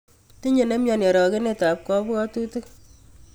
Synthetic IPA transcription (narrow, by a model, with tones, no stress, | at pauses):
ti˦ɲe˨ne˦mjɔ˨nje˨ɾɔ˨ke˦ne˦˨ta˨p̚kɔ˦pkɔ˦tu˦te˦k